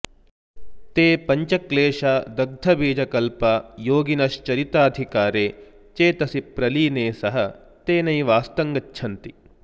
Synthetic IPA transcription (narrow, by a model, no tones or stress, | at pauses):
t̪eːpɐɲt͡ʃɐkleːʂaːd̪ɐɡ̚d̪ʱɐbiːd͡ʒɐkɐlpɐjoːɡinɐʃt͡ʃɐɾit̪aːd̪ʱikaːɾeː | t͡ʃeːt̪ɐsipɾɐliːneːsɐɦɐ | t̪eːnɐjʋaːst̪ɐŋɡɐt͡ʃːʃʰɐnt̪i